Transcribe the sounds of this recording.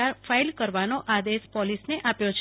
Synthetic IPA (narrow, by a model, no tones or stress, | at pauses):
aɾfʰailkəɾʋanoʔad̪espɔlisneʔapjot͡ʃʰ